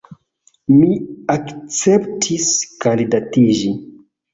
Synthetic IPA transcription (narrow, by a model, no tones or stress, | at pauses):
miakt͡septʰiskandidatid͡ʒi